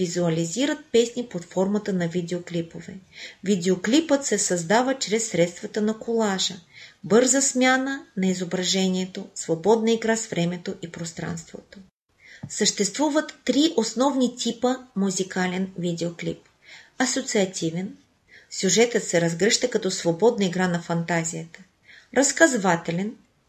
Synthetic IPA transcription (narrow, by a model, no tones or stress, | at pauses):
vizuɐliziɾət̪̚pɛsnipot̪fɔɾmɐt̪ənɐvid̪ɛoklipovɛ̰vid̪ɛoklipət̪sɛsɐzd̪avət͡ʃɾɛsːɾɛt̪st̪vɐt̪ənɐkʰolˠaʒəbɤɾzəsmʲjanənɐizobɾɐʒɛniɛt̪osvobɔd̪nəiɡɾasvɾɛmɛt̪oʔipɾost̪ɾa̰nst̪vo̰t̪o | səʃt̪ɛst̪vuvət̪ːɾiʔosnɔvnit̪ʲʰipəmuzikalɛnvid̪ɛoklip̚ | ɐsot̪siɐt̪ʲʰivɛn | sʲjuʒɛt̪ət̪sɛɾɐzɡɾɛʃt̪əkɐt̪ɔsvobɔd̪nəiɡɾanɐfɐnt̪azʲijət̪ə̥ | ɾɐskɐzvat̪ɛlɛn